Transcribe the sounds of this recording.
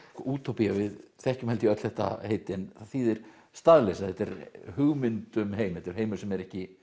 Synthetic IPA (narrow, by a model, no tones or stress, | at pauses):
uːt̪ʰowpijavɪðθɛhcʏmhɛlt̪ɪœt̪l̥θɛht̪a̰heːjt̪ɪɛnθaðθiːðɪɾ̥ | st̪aðlesaðθɛt̪ɛɾhʏɣmɪnt̪ʏmɦeːjmɛt̪ːɾ̥heːjmʏ̥sɛmɛɾɛhcɪ